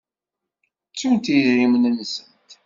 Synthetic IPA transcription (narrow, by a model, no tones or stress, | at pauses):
t͡sːunt̪iɾimənənːsənt̪